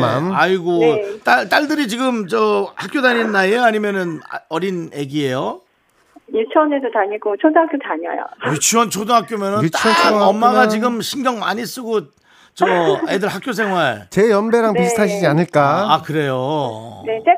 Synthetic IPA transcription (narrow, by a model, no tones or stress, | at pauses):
a̰naiɡot͈aɭt͈aɭdɯɾit͡ɕiɡɯmt͡ɕʌhak͈odaɲinːaejoaɲimjʌnɯn̰ʌɾinjeɡiejo | it͡ɕʰʌnedotaɲiɡot͡ɕʰodoɦakjotaɲa̰jo̰jut͡ɕʰiwʌnt͡ɕʰodoɦak͈jomjʌnɯnt͡ɕʌmːaɡat͡ɕiɡɯmɕʰinɡjʌŋma̰ɲis͈ɯɡo | t͡ɕʌedɯɭhak͈̚jos̬ʰeŋɦaɭt͡ɕejʌmbe̞ɾaŋnistʰaɕʰid͡ʑianɯɭk͈aakɯɾe̞jone